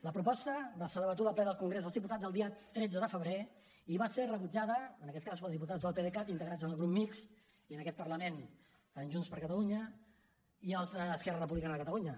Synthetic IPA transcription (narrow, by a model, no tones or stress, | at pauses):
ləpɾupɔst̪əβasələβət̪uðəplɛðəlˠkuŋɡɾezðəlzðip̬ut̪ad͡zəlˠd̪iət̪ɾɛd͡zəðəfəβɾe | iβaserəβud͡ʒaðəəːnəkɛt̪̚kaspəlˠzðiput̪ad͡zðəlˠpeðekat̪int̪əɣɾad͡zənəlˠɣɾupmiks | iənəkɛt̪̚pəɾləmen | ənʲʒunspəɾkət̪əluɲə | iəlˠzəːskɛrərəp̬uβlikanəəkət̪əluɲə